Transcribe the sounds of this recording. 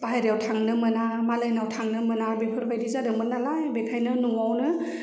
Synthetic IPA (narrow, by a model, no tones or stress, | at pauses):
baajɾiawtʰaŋnɯmɯnamalɯjnawtʰaŋnɯmɯnabepʰɯɾbajdizadɯmɯt̚nalajbekʰajnɯnuawnɯ